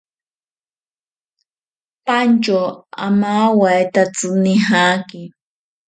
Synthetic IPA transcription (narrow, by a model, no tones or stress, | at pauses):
pant͡ʃoa̰maːwajt̪at͡sɨnɪɦakɪ